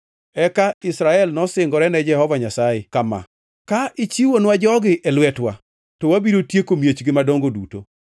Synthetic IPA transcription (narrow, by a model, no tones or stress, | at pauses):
ɛkaɪsɾaɛlnɔsɪŋɡɔɾɛnɛd͡ʒɛhɔvaɲasajekama̰ | kaɪt͡ʃiwonwad͡ʒɔɡɪʔɛlwɛtwa̰ | tɔwabiɾotjekomjet͡ʃɡɪmadoŋɡoduto̰